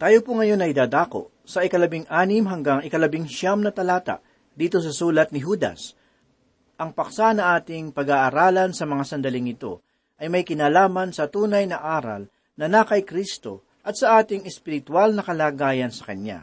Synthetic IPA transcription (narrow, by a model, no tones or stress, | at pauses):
t̪aːjopoŋɐjo̞nːɐjd̪aːd̪aːko̞̰ʔ | sɐʔɪkɐlɐbɪŋʔaːnɪmɦɐŋɡaŋɪkɐlɐbɪŋʃamnɐt̪ɐlaːt̪a̰ʔ | d̪iːt̪o̞s̬ɐsuːlɐt̪̚nɪɦuːd̪ɐ̰s | ʔɐŋpɐksanɐʔaːt̪ɪŋpɐɡaːʔɐɾaːlɐnsɐmɐŋasɐnd̪ɐlɪŋɪt̪o̞̰ | ʔɐjmɐjkɪnaːlaːmɐnsɐt̪uːnɐjnɐʔaːɾɐ̰l | nɐnakɐjkɾist̪o̞̰ | ʔɐt̪̚sɐʔaːt̪ɪŋɛspɪɾɪt̪walnɐkɐlaːɡaːjɐnsɐ̥kɐnja̰